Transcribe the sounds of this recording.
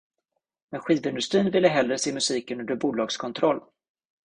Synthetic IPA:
mɛɧiːvɪnd̪ɵst̪ɾiːnvɪlːəɦɛlɾəseːmɵsiːkənɵnd̪əbuːlɑːɡskʰɔnt̪ʰɾɔlː

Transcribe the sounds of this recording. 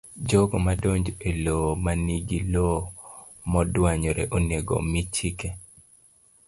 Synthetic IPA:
d͡ʒoɡomadoɲd͡ʒelomaniɡilo | mɔdwaɲoɾɛ̰ʔoneɡo̰mit͡ʃike

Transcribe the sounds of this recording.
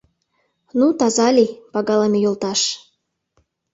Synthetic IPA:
nut̪ɑzɑlʲipɑɣɑlemʲejolt̪ɑʃ

